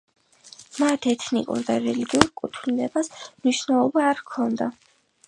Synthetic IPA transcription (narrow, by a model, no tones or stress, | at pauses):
mat̪ʰɛt̪ʰnḭkʼṵɾd̪aɾɛliɡiuɾkʼut̪ʰlinɛbasmniʃnɛlˠɔbaːɾkʰɔnd̪a